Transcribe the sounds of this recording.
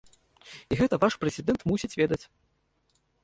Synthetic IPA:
iɣɛt̪ɐvaʂpɾɛzʲid̪ɛnt̪musʲit͡sʲvʲɛd̪ɐt͡sʲ

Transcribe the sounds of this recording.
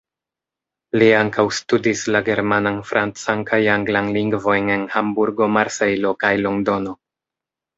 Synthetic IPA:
liaŋkawstudislaɡe̞ɾmananfɾʔant͡sankajaŋɡlanliŋɡvo̞jne̞nhambuɾɡo̞maɾse̞jlo̞kajlo̞ŋdo̞no̞

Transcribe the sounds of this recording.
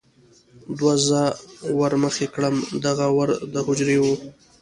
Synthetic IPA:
d̪wazəwəɾməxekɽəmd̪aɣawəɾd̪əhʊd͡ʒɾewu

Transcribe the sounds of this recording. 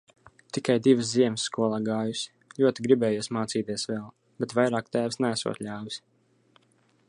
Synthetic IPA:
t̪ikajd̪ivɨsziɛmsːkuɔlˠaːɡaːjusi̥ | lʲuɔt̪iɡɾibɛːjuːsmaːt̪siːt̪iɛsvɛlˠ | b̥ɛt̪vajɾaːkt̪æːvsnææsṵɔ̰t̪lʲaːwisʲ

